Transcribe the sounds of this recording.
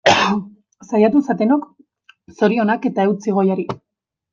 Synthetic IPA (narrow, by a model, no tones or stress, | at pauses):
sajat̪usat̪e̞no̞k | so̞ɾio̞nake̞t̪ae̞wt͡siɣ̞o̞jaɾi